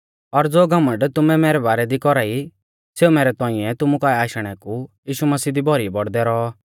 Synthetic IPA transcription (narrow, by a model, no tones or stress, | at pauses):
ɔɾd͡zoːɡʱɐmə̃ɳɖt̪ʊmɛ̃mɛːɾɛbaːɾɛd̪ikɔɾaːi | seːumɛːɾɛt̪ɔ̃ːɪ̃ɛt̪ʊmukaːiaːʃɽ̃ɛkujiːʃumɐsiːd̪ibʱɔɾibɔɽd̪ɛɾɔ